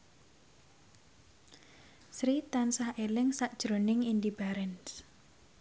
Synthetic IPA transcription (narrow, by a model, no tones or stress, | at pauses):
sɾit̪ansahelɪŋsaʔd̥ʒ̥ɾonɪŋindib̥aɾɛns